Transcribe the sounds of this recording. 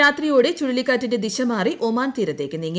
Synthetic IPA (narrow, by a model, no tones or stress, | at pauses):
aːt̪rijo̞ːɽet͡ɕuɻilikːaːtːinde̞d̪iɕɐmaːriʔo̞maːnt̪iːɾɐt̪ːe̞ːkːɨnːiŋː